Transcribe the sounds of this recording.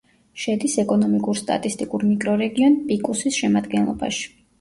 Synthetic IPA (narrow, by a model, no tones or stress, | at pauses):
ʃɛd̪isɛkʼɔnɔmikʼuɾst̪ʼa̰t̪ʼist̪ʼikʼuɾmikʼɾɔɾɛɡiɔnpʼikʼusisʃɛmad̪ɡɛnlˠɔ̰ba̰ʃi̥